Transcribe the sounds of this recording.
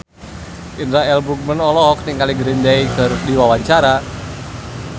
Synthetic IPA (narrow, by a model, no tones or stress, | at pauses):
ʔinɾaɛlbuk̚mənɔlɔɦɔkniŋkaliɡɾindajkardiwawaɲt͡ʃaɾa